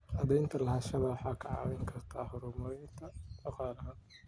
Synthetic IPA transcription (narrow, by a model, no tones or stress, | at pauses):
ʔɐðɛjnt̪ʰɐlɐɦɐːʃɐβɐwħɑːkʰɐʕɑ̰ːwɛjŋkʰɐrt̪ʰaːhʊɾʊmɐɾɛjnt̪ʰɐd̪ɑqɑːlɐɦɐ